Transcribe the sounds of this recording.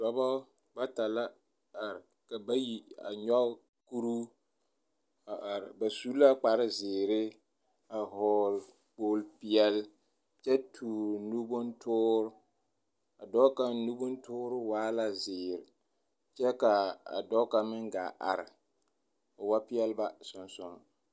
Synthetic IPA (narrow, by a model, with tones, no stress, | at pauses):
dɔ˨ba˦ | ba˦ta˨la˦ | a˨ɾɪ˨ | ka˨ba˦ji˨a̰˨ɲɔ˦ | ku˦ɾu˦ | a˨a˨ɾba˨su˦la˦k͡pa˨ɾɪ˦zɪː˨ɾɪ˦ | a˨ɦɔː˦l | k͡poː˦lpɪ˦ɛ˦l | t͡ʃɛ˦tʰuː˨ɾnu˦bʊ˦ntʰʊː˦ɾʊ˦ | a˨dɔ˦ka˨nu˦bʊ˦n˦tʊː˦ɾʊ˦waː˦la˦zɪː˨ɾɪ˨ | t͡ʃɛ˦ka˨a̰˨dɔ˦ka˨mɪ˦ŋɡa˨ʔa̰˨ɾɪ˨ | a˨wa˦pi˦ɛ˦lba˦sʊ˨nsʊ˦ŋ˨